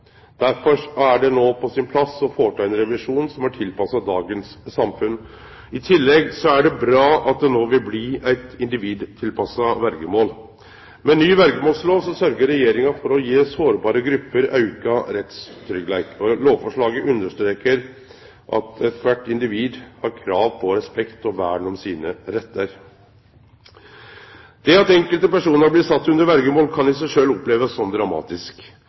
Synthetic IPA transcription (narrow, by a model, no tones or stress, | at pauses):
d̪̥æɾfɔʂɔæɖɛnoːpʰɔsɪnpʰlɑsɔfoːʈʰɑːɛnɾɛʋɪʂuːnsɔmæʈʰɪlpɑsɑd̪ɑːɡənsːɑmfʉn | ɪt̪ʰɪlːɛɡsɔæɖɛbɾɑːɑt̪̚d̪ɛnoːʋɪlblɪæɪt̪ɪnd̪ɪʋiːd̪t̪ʰɪlpɑsɑʋæɾɡəmoːl | mɛnyːʋæɾɡəmoːlsloːsɔsœɾɡəɾɛjeːɾɪŋɑfɔɾɔjeːsoːɾbɑːɾəɡɾʉpːəɾɑ̰ʉkɑɾɛt̪st̪ʰɾʏɡlæɪkʰɔloːʋfɔʂɭɑːɡəʔʉnːəʂt̪ɾeːkəɾ | ʔɑ̰t̪ɛt̪ʰʋæʈːɪnd̪ɪʋiːd̪hɑɾkʰɾɑːʋpʰɔɾɛspɛkt̪ɔʋæːɳɔmsiːnəɾɛt̪ːəɾ | d̪̥ɛɑt̪ɛŋkəlt̪əpæʂuːnəɾblɪːsɑt̪ːʉnd̪əɾʋæɾɡəmoːlkʰɑnɪsæɪʂøːlɔpleːʋəsːɔmd̪ɾɑmɑ̰ːt̪ɪsk